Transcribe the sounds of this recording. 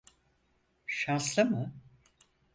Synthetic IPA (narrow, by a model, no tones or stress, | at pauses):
ʃanslˠamɯ